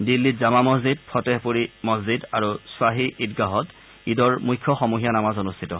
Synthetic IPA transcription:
dilːizamamɔzid̚pʰɔtɛhpuɹimɔzidaɹuswaɦiʔitɡaɦɔt | idɔɹmujkʰːɔxɔmuɦijanamazɔnustʰitɔ

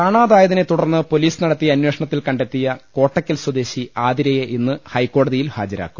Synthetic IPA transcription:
kaːɳaːðaːjɐðɐnet̪ːuɽɐrnːɨpo̞liːsɨnɐɽɐt̪ːijɐnwe̞ːʂɐɳɐt̪ːilkɐɳɖe̞t̪ːijɐko̞ːʈːɐkʲːɐlswɐd̪eːɕiaːd̪iɾɐjeʔinːɨhɐjkːo̞ːɽɐðijilha̰ːd͡ʑɐɾa̰ːkːum

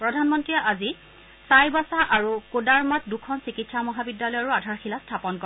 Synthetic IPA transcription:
pɹɔdʱanmɔntɹijaʔazi | sajbasaʔaɹukodaɹmat̚dukʰɔnsikitsamɔɦabidːalɔjɔɹuadʱaɹxilastʰapɔnkɔɹɛ

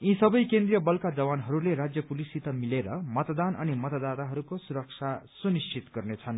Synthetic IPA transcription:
ĩsʌbʌjkend̪rijʌbʌlkad͡zʌbanɦʌɾuleɾad͡zjʌpulisit̪ʌmileɾʌmʌt̪d̪anʌ̰nimʌt̪d̪at̪aɦʌɾukosuɾʌk̚t͡sʰasunist͡sʰit̪ɡʌrnet͡sʰʌn

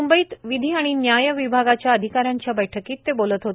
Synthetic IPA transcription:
umbəiːt̪ʋid̪ʱiːaɽ̃injajəʋibʱaɡat͡ɕjaəd̪ʱikaɾjaɲt͡ɕjabəjʈʰəkiːt̪ːebolət̪ɦot̪e

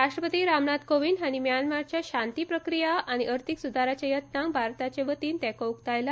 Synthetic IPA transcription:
ɾaʂʈɾəpət̪iːɾamnad̪koʋinaɽ̃imjanmaɾt͡ɕjaɕant̪ipɾəkɾijaʔaɽ̃iʔəɾt̪ʰiksud̪ʱaɾat͡ɕajət̪nãŋ̚bʱaɾt̪at͡ɕeʋət̪iːnt̪ɛkoukt̪ajla

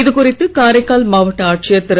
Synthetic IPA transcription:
ɪðɯkʊrɪt̪ːɯkaːɾɐɪkːaːlmaːʋɐʈːɐaːʈ̚t͡ʃɪjɐt̪ːɪɾɐ

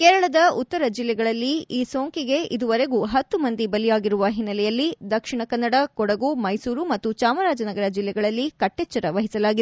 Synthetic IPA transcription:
kɛːɾɐɭɐd̪ɐut̪ːɐɾɐd͡ʒilːɛɡɐɭɐlːiiːso̞ːŋkiɡe̞ʔid̪uʋɐɾe̞ɡuɦɐt̪ːumɐnd̪ibɐlijaːɡiɾuʋɐɦinːɐlɛjɐlːid̪ɐkʂiɳɐkɐnːɐɽɐkɔɽɐɡumɐjsuːɾumɐt̪ːut͡ʃaːmɐɾaːd͡ʒɐnɐɡɐɾɐd͡ʒilːɛɡɐɭɐlːikɐʈːɛːt͡ʃːɐɾɐʋɐɦisɐlaːɡid̪

